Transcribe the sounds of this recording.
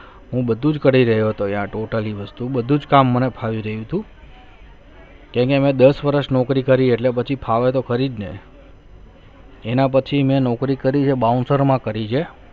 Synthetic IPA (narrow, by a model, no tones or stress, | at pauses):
ɦũbəd̪ʱũd͡ʒkəɽiɾəɦjoɦət̪oeãʈoʈaliʋəst̪ubəd̪ʱũd͡ʒkamːənepʰaʋiɾəɦjũt̪ʰũ | kãkemẽd̪əsʋəɾəʃnɔkɾikəɾieʈlepət͡ʃʰipʰaʋet̪okʰəɾid̪nḛ | enap̬ət͡ʃʰimẽnɔkɾikəɾid͡ʒʰebaunsəɾmãkəɾid͡ʒʰe